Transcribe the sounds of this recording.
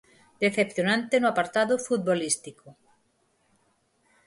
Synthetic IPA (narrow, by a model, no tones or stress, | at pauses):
d̪eθepθjonãnt̪enʊapaɾt̪aðʊfut̪̚bolist̪ikʊ